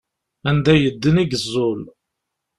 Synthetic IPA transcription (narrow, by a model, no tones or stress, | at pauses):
ænd̪æjəd̪ːəniɡzˤːʊl